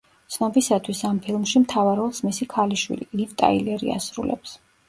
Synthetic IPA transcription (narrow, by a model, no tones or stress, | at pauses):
t̪sʰnɔbisat̪ʰwisampʰilˠmʃimt̪ʰavaɾɔlˠsmisikʰaliʃwḭlḭlivt̪ʼa̰ilɛɾḭa̰sɾṵlɛ̰ps